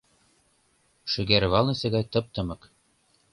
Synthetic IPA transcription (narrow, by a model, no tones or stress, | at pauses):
ʃy̆ɡæɾβɑlˠnɤ̆sɘ̆ɣɑjt̪ɤ̆p̚t̪ɤ̆mɤ̆k